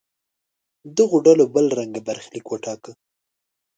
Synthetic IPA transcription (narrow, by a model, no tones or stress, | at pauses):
d̪əɣoɖalobəlɾaŋɡabaɾxlikwəʈɑkə